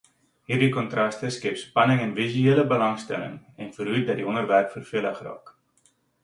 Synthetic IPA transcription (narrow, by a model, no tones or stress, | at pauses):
ɦiːrdikɔntrɐstəskepspɐnəŋɛnvisyeːləbəlɐŋstɛ̰lə̰ŋɛnfərɦut̚dɐtdiɔnərværpfərfiələχrɑ̰ːk